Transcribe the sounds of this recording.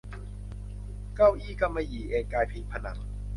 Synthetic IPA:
ka˥˩wʔiː˥˩ka˧˩mːa˧jiː˨˩ʔeː˧nkaː˧jpʰi˧pʰa˧na˩˦ŋ

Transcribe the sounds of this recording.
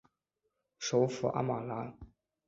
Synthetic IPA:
ʂo˧˥ʊfṵ˨˩ʔa̰˥ma˨˩la˧˥

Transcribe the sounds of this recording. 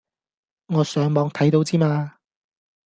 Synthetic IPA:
ŋɔː˨˧sœː˨˧˥ŋmɔː˨˧˥ŋt̪ʰɐ˨˥jt̪o˧wt͡siː˥maː˧

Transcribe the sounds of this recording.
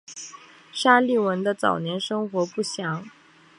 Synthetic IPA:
ʂa˥li˥˩wə˧˥nd̪ə˧t͡sɑ̰˨˩ʊnjɛ˧˥nʂɤ˥ŋxwɔ˧˥pu˥˩ɕjɑ˧˥ŋ

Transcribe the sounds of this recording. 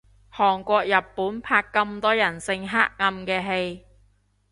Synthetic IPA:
hɔː˨˩ŋkʷɔː˧k̚jɐ˨pːuː˨˥npʰaː˧kːɐ˧mt̪ɔː˥jɐ˨˩nsɪ˧ŋɦa̰ː˥k̚ŋɐ˧mkɛː˧ɦe˧j

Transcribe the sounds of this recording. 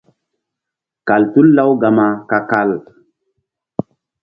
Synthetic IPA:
ka˨ltu˦lːa˦wɡa˨ma˨ka˨ka˦l

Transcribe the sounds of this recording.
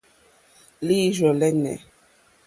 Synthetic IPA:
li˦ʒɔ˨lɛ˦nɛ̰˨

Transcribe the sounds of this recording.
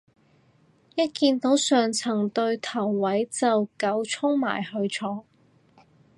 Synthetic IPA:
jɐ˥t̚kiː˧nt̪o˨˥wsœː˨ŋt͡sʰɐ˨˩ŋt̪ɵ˧ɥt̪ʰɐ˨˩wːɐ˨˥jt͡sɐ˨wkɐ˨˥wt͡sʰʊ˥ŋma̰ː˨˩jhɵ˧ɥt͡sʰɔː˨˥ŋ

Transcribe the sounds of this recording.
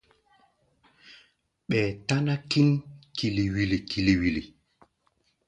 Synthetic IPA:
ɓɛ˨ta˦na˦ki˦nki˨li˨wi˨li˨kʰi˨li˨wi˨li˨

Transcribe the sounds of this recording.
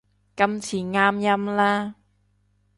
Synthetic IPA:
kɐ˥mt͡sʰiː˨˩ŋaː˥mjɐ˥mlaː˥

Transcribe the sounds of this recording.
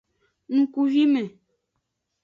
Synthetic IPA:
ŋ̩˨˦ku˨vi˦mɛ̃˨

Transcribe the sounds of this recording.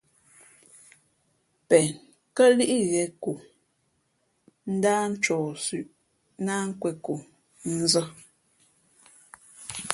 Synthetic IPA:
pɛ˨n | kə˦li˦ʔi˦ɣɛ˨˦ku˨ | n̩˦daː˦n̩˦t͡ʃɔː˨sʉ˨ʔ | naː˦ŋ̩˦kwɛ˨ku˨ | n̩˦zə˦

